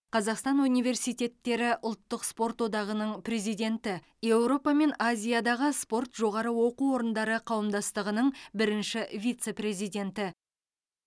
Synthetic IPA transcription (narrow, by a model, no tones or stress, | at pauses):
qʰɑzɑqst̪ɑnunijve̞rsijt̪ʲe̞t̪ːe̞ɾɪʔʊlˠt̪ːəqspo̞rt̪wo̞d̪ɑʁənəɴpre̞zijd̪e̞nt̪ɪ | je̞wɾo̞pɑme̞nazʲijad̪ɑʁəspo̞rt̪ʒo̞ʁɑɾəwo̞quo̞ɾənd̪ɑɾəqʰɑwəmd̪ɑst̪əʁənəɴbɪɾɪnʃɪvʲijt̪se̞pre̞zijd̪ʲe̞nt̪ɪ